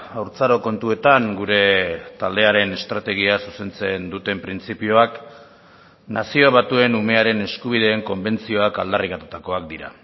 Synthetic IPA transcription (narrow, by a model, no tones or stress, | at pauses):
awɾt͡saɾo̞ko̞nt̪ue̞t̪aŋɡuɾe̞t̪ald̪e̞aɾe̞ne̞st̪ɾat̪e̞ɣ̞iasuse̞nt͡se̞nd̪ut̪e̞mpɾint͡sipioak | nasio̞βat̪ue̞nume̞aɾe̞ne̞skuβ̞iðe̞ːŋko̞mbe̞nt͡sio̞aka̰ld̪arikat̪ut̪ako̞ak̚d̪iɾa̰